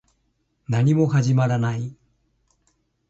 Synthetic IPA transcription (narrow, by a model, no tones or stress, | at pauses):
naɲ̟imo̞haʑimaɾanai